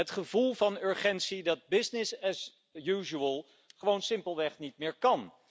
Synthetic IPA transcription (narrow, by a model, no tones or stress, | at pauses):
ətχəvulˠvɑnɵɹχɛntsidɑd̚bɪsnɪsɛs | juːʒuəlˠ | χəʋownsɪmpəlˠʋɛχnit̚mɪːɹkɑn